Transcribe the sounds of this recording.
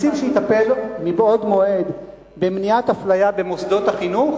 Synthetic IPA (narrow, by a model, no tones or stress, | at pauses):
siʃeit̪ape̞lmibo̞d̪mo̞ʔe̞d̪ | bemnijat̪aflajabe̞mosd̪o̞t̪aχinuχ